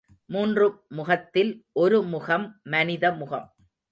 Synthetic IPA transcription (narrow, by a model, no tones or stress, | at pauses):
muːndrɯmʊɣɐt̪ːɪlʔɔɾɯmʊɣɐmːɐnɪðɐmʊɣɐ̰m